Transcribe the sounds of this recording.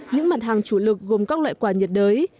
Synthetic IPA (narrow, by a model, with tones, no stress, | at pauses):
ɲɨ̰˧˥ŋma˨˩t̚ɦaː˨˩ŋt͡ɕu˧˩lɨ˨˩k̚ɣo˨˩mkaː˦˥k̚la̰ː˧˨jkwaː˧˩ɲi˨˩ət̚ɗəː˨˦j